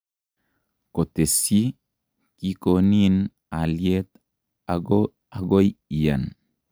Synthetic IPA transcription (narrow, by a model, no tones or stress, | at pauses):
kotesi | kikonin | aljet̪ | aɡojija̰n